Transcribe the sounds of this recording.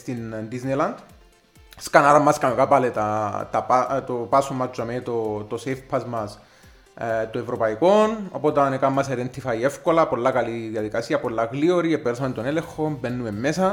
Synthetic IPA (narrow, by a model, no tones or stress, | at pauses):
st̪innd̪iznelɐnd̪ | skanɐɾɐmːɐskɐmokapɐlet̪ɐt̪ɐpat̪opasomːɐt͡ʃːomet̪ot̪osefpʰːɐzmɐs | t̪oevɾopɐikono̞̰pot̪ɐnekɐmːɐs̬eɾent̪ifɐiefko̞lɐpo̞lːakɐliðjɐðikɐsiɐpolːaɣlioɾiepeɾs̬ɐmet̪onelexombenːumemːesɐ